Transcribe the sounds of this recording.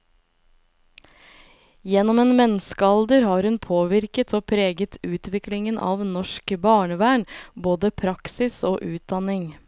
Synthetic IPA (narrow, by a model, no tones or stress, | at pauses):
jɛnɔmeːnmɛnskəɑld̪əɾhɑːɾhʉnpʰoːʋɪɾkət̪ʰoːpʰɾeːɡət̪ʰʉːt̪ʋɪklɪŋənʔɑ̰ːʋnɔʃkbɑːɳəʋæːɳboːd̪əpʰɾɑksɪsoːʔʉːt̪̚d̪ɑnɪŋ